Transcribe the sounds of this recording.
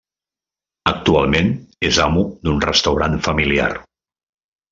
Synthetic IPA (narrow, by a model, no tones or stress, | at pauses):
ək̚t̪ualˠmenezamud̪unrəst̪əwɾanfəmilia̰r